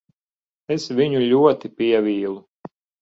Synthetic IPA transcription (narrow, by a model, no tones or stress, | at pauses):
esvʲiɲuʎʲuɔt̪ipʲiɛvʲiːlˠu